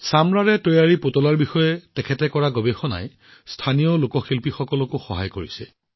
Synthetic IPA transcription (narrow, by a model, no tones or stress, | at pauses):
samɹaɹɛtojaɹipotɔlaɹbixɔjɛtɛkʰɛtɛkɔɹaɡobexɔna̰j | stʰanijɔlokɔxilpixɔkɔlɔkʊxɔɦa̰jkoɹisɛ̰